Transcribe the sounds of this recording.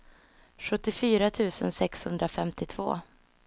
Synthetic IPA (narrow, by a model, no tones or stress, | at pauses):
ɧɵt̪ːɪfyːɾat̪ʰʉ̟ːsə̰nsɛkshɵnd̪ɾafɛmt̪ɪt̪ʰv̥o̰ː